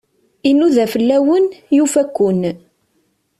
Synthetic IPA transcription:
inuðæfəlːæwənjufækʷːʊn

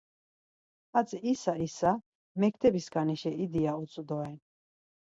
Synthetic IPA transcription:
at͡s̪ʼisaisa | mɛkʰt̪ʰɛbisɡaniʃɛid̪iausʼud̪ɔɛn

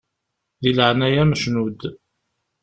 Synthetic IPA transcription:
ðiləʕnæjæməʃnud̪

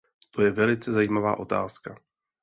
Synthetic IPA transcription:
t̪o̞jɛvɛlɪt͡sɛzajiːmavaːʔo̞t̪a̰ːska

